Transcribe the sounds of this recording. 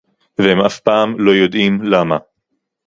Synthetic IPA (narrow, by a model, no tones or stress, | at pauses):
vehemafpaːmlo̞jo̞d̪imlama